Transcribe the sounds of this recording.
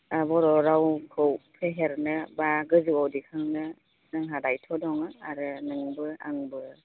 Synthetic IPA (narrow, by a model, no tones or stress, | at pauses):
abɔɾɔɾawkʰɯwpʰeɦeɾnɯbaɡɯzuwawdikʰɯŋnɯ | nɯŋɦadajtʰɔdɔŋɯaɾɯnɯŋbɯa̰ŋbɯ